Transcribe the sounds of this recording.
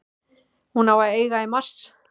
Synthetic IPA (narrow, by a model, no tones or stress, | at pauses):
hunavaeːjɣaimar̥s